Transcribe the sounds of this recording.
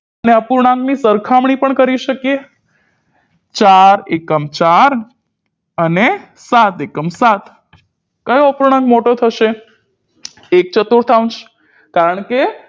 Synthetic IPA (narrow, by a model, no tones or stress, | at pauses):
əneəpuɾɳãŋɡnisəɾkʰamɳipəɳkəɾiʃəkje | t͡ʃaɾekəmt͡ʃaɾ | əne | sat̪ekəmsat̪ | kəjəpuɾɳ̃ãŋɡmoʈot̪ʰəʃe | ek̚t͡ʃət̪uɾt̪ʰaũnt͡ʃ | kaɾəɳ̃ke